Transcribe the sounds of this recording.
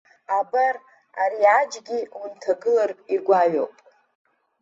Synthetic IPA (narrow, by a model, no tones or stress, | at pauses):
abar | aɾiad͡ʒɡʲiwuntʰaɡɨlarʼirɡʷaɥo̰pʼ